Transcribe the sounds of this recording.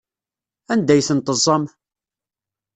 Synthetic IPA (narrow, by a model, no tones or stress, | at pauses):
ænd̪æjθənt̪əzˤːɑm